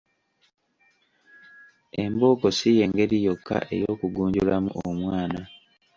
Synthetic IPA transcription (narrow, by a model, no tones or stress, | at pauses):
e̞mbo̞ːko̞sije̞ːŋɡe̞ɾijo̞kʰːa̰ʔe̞joːkuɡuːɲɟulamṵʔo̰mwaːna